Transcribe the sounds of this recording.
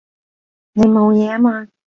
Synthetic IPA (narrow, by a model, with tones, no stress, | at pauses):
ne˨˧jmo˨˧wjɛː˨˧a˥maː˧